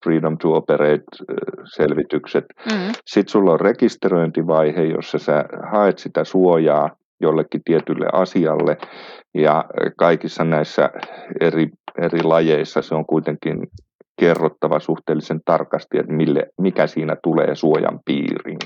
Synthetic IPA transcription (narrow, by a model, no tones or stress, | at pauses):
friːdomt̪uopereit̪selʋit̪ykset̪sit̪sulːorrekist̪eroint̪iʋɑihejo̰sːɑsehɑet̪sit̪æsuojɑː | jolːekːit̪iet̪ylːḛʔɑsiɑlːejɑkɑikisːɑnæisːæ̰erierilɑjeisːɑseoŋkuit̪eŋkin | kerːot̪ːɑʋɑsuht̪eːlːisent̪ɑrkɑst̪iḛt̪milːḛmikæsiːnæt̪ulḛːsuojɑ̰mpḭːrḭn